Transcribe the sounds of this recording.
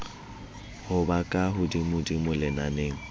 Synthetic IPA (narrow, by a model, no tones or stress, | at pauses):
hʊbakʼaɦʊdimʊdimʊlɪnaneːŋ̩